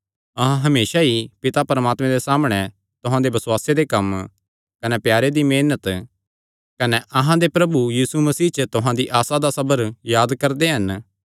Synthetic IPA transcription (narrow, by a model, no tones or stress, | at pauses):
ɐɦãɦɐmeːʃaipɪt̪apɐɾəmaːt̪mẽd̪esaːmɽ̃ɛ | t̪ʊɦãd̪ebɐswaːsed̪ekɐm | kɐnɛpjaːɾed̪imeːnət̪ | kɐnɛʔɐɦãd̪epɾɐbujiːsumɐsiːt͡ʃət̪ʊɦãd̪iʔaːsad̪asɐbəɾjaːd̪kɐɾd̪eɦɐn